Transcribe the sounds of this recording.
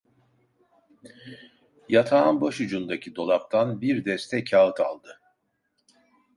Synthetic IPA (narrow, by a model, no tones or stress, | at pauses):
jat̪ʰaːnboʃud͡ʒund̪acʰid̪o̞lˠap̚t̪ʰanbiɾd̪ɛst̪ʰɛcʰːaɯt̪ʰa̰lˠd̪ɯ